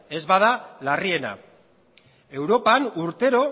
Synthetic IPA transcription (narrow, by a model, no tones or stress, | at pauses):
e̞zβað̞alarie̞na̰ | e̞wɾo̞panuɾt̪e̞ɾo̞